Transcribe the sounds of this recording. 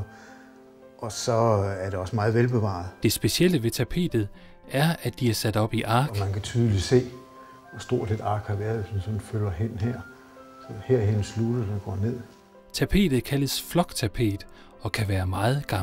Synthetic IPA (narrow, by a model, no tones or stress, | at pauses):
ʔɒ̽sɒ̽æɐɾe̝ɒ̽səmɑ̈ːð̞̩ˠʋelb̥e̝ʋɑ̰̈ðˠd̥e̝sb̥e̝siel̰əʋe̝t͡sʰæpʰe̝̰ːd̥ð̞̩ˠ | æɐæ̥d̥iæɐsæd̥ɒ̽b̥iʔɑ̈ːɡmænkʰæt͡sʰyːð̞ˠli̥se̝̰ː | ɒsd̥o̝ɐ̰sʰed̥ɑ̈ːɡ̥hɑ̈ʋæɐðˠʋesmænsɒ̽nnfølɐɦen̰heɐ̰ | sɒheɐ̰henəslud̥ɐdɡ̥ɒ̰ːne̝ð̰ˠ | t͡sʰæpʰe̝̰ːd̥ð̩ˠkʰæləsflɒ̽ɡ̥t͡sʰæpʰe̝̰ːd̥ | ɒ̽kʰæʋæːɐmɑ̈ːð̩ˠɡ̥ɑ̈m